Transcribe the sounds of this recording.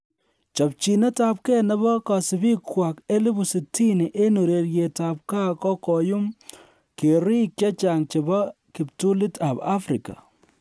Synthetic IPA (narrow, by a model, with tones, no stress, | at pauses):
t͡ʃɔ˨p̚t͡ʃi˨nɛ˦ta˨p̚kɛ˦nɛ˦bɔ˦ka˨sɪ˨bi˦kwa˨ke˦li˦bu˨si˨ti˦ni˨ʔe˦no˨ɾe˨ɾje˨ta˨p̚ka˦kɔ˦kɔ˨ju˦m | ke˨ɾi˦kja˦t͡ʃa˨ŋt͡ʃe˨ba˦kɪ˨p̚tu˦li˦ta˨ba˦fɾi˨ka̰˨